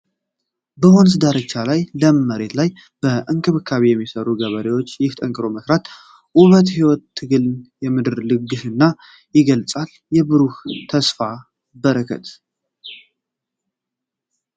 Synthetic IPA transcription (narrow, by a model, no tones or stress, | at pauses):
bəhons̬ɨd̪aɾət͡ʃːalajləməɾe̞t̪laj | b̥əʔɨŋkʼɨβɨkʰːaβijɛmːisəɾuɡəβəɾewo̞t͡ʃːjɪht̪ʼəŋkʼɨɾo̞məsɾat̪ | ʔuβət̪hiwɔt̪ʰːɨɡɨlnjɛmɨd̪ɨɾlɨɡːɨʃɨnːa | jɪɡəlt͡sʼal | jɛbɨɾuht̪ʰəsfa | bəɾəkʰə̰t̪